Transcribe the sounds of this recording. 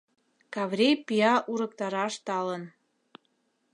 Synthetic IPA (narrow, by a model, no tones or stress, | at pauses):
kɑvrʲejpiɑʔuɾəkt̪ɑɾɑʃt̪ɑlən